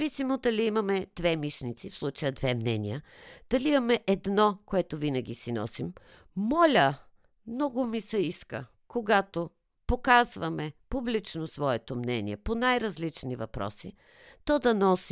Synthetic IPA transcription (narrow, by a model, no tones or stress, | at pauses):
visimod̪ɐliimɐmɛd̪̥vɛmiʃnit̪sifslˠut͡ʃəjəd̪vɛmnɛnʲḭəd̪̥ɐliimɐmɛʔɛd̪nɔkoɛt̪ovinɐɡ̟isinɔ̰simː | ɔlʲə | mnɔɡʊmisɛiskə̰ | koɡat̪o | pokazvɐmɛpublit͡ʃnosvɔɛt̪omnɛnʲḭɛ̰ponajɾɐzlit͡ʃnivɐpɾɔ̰si | t̪ɔd̪ɐnɔs